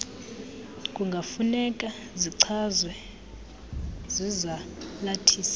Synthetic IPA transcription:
kʼuŋɡʱafunɛkʼa | ziǀʰazwɛ | zizalatʰiːsḁ

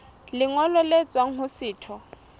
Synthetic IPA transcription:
lɪŋɔlɔlet͡sʼwaŋ̩ɦʊsɪːtʰɔ

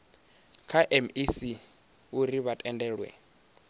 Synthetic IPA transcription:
kʰaʔɛmisi | uɾiβatʼɛndɛːɺwɛ̰

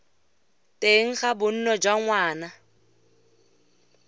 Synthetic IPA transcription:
tʼeŋ̩χabʊn̩nɔd͡ʒwaŋwaːna

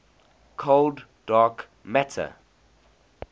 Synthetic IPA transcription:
kʰold | d̥aːk | mætʰə̰

